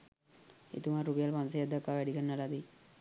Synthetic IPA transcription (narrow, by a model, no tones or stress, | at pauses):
ḛt̪umaɾupijalpans̬ejad̪ːakːaʋæɖikənːəlad̪i